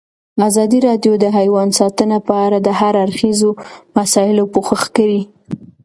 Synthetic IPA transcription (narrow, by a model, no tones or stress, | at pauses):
azɑd̪iɾɑd̪jod̪əɦajwɑnsɑt̪ənapəaɾad̪əɦaɾaɾxizomasɑɪlopoxəxkawi